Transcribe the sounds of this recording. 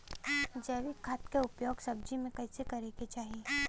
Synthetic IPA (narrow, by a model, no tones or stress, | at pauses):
d͡ʒɐːʋikʰaːt̪keʊpjoːɡsɐb̚d͡ʒimẽkɐɪsekɐɾeket͡ʃaːɦie